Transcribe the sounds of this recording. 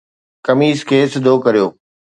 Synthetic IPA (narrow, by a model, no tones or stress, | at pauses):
kɐmiːskʰeːsɪd̪ʱoːkɐɾijoː